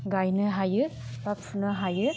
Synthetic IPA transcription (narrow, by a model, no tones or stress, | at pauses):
ɡajnɯɦajɯpapfʰunɯɦajɯ